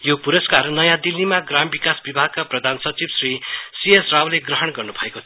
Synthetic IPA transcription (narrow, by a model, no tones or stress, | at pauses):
jopuɾʌskarnʌjãd̪ilːimaɡrambikasbibʱaɡ̚kaprʌd̪ʱansʌt͡sibsrisiesrawleɡrʌɦʌɽɡʌrnubʱʌekot̪ʰ